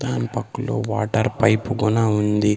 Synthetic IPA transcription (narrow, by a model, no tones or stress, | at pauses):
d̪aːnipɐkːulo̞̰ːʋaːʈɐɾpɐjpuɡunaund̪i